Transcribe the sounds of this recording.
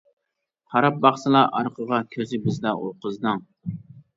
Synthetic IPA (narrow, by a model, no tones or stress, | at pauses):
hɑɾɑp̚bɑχsɨlˠɑʔɑ̰ɾqʰəʁɑkʲʰøɾzɪbɪzd̪ɛo̰ɾqəzd̪ɨŋ